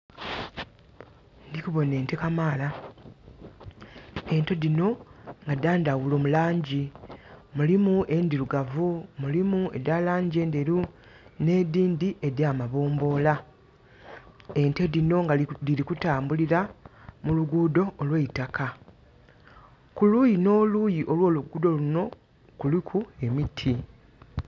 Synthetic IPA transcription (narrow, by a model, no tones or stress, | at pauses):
ndikuβo̞ne̞ːnte̞kamaːla | e̞nte̞dino̞ŋɡadaːndawulo̞ːmulaːɲɟi | mulimuʔe̞ndiɾuɡavumulimue̞̰dalaːɲɟie̞ːndeɾu | ne̞ːdiːndiʔe̞djaːmaβo̞ːmbo̞ːla | e̞nte̞dino̞ŋdiɾikutaːmbuliɾamuluɡuːdo̞ːlweitakʰa | kuluːjino̞ːluːjiʔo̞lwo̞ːluɡuːdo̞luno̞ | kulikʰue̞mitʰi